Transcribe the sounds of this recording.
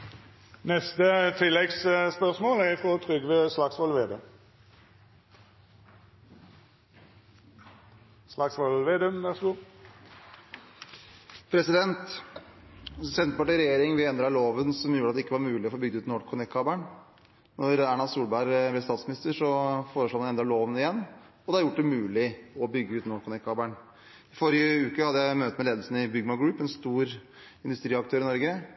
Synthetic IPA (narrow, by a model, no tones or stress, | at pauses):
nɛst̪ət̪ʰɪlːɛɡsspœʁsmoːlæʁfɔt̪ʰɾʏɡʋeslɑksʋɔlʋeːd̪əm | slɑksʋɔlʋeːd̪əmʋæʁsɡuː | pʰɾɛsɪd̪ɛnt̪ | sɛnt̪əpɑʈɪɾɛjeːɾɪŋʋɪɛnd̪ɾɑɭoːʋənsɔmjuːɾəɑt̪d̪ɛɪkːəʋɑɾmʉːlɪɔfoːbʏɡ̚d̪əʉːt̪nɔːɖkʰːʊnɛkʰːɑːbæɳ | nɔɾæːɳɑlsuːlbæɾb̪ɛst̪ɑːt̪smɪnɪst̪əʂɔfoːɾəʂɭoːmnɛnd̪ɾɑɭoːʋənɪjɛnː | ɔd̪ɛhɑɾjʊʈːd̪ɛmʉːlɪɔbʏɡːəʉːt̪nɔkʰːʊnɛkʰːɑːbæɳ | ɪfɔɾɪəʉːkəhɑd̪ːəjæɪmøːt̪ət̪mɛleːd̪əlsn̩ɪbʏɡmɑɡɾʉːpɛnst̪uːɾ | ɪnd̪ʉst̪ɾiːɑk̚t̪ʰøːɾɪnɔɾɡə